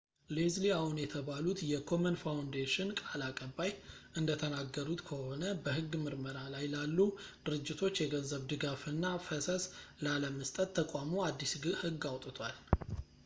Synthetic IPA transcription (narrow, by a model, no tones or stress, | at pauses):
lezliawunjɛt̪ʰəβalut̪jɛkʰo̞mənfawnd̪eʃɪnkʼalakʼəbːajʔɨnd̪ət̪ʰənaɡːəɾut̪kʰəho̞nəbəhɨɡːmɨɾməɾalajlalːud̪̥ɨɾɨd͡ʒːɪt̪ʰo̞t͡ʃːjɛɡəzəβd̪ɨɡafɨnːafəsəslaləməst̪ʼət̪ʰːəkʼamoad̪ːisɡɨhɨɡːawt̪ʼɨt̪ʰwal